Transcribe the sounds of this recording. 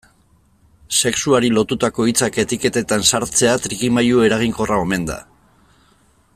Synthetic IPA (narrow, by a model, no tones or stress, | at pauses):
se̞ksuaɾilo̞t̪ut̪ako̞it͡sake̞t̪ike̞t̪e̞t̪ansaɾt͡se̞at̪ɾikimajue̞ɾaɣ̞iŋko̞rao̞me̞nd̪a̰